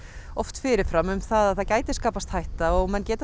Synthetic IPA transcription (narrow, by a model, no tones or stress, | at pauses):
ɔft̪fɪːɾɪɾfɾamʏmθaðaðθaðcaːjt̪ɪ̥skaːpast̪hajht̪aɔɣmɛnːcɛːt̪